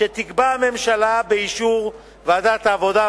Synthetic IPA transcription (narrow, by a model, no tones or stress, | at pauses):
et̪ikbame̞mʃalabeiʃuʁ | veadat̪aːvo̞da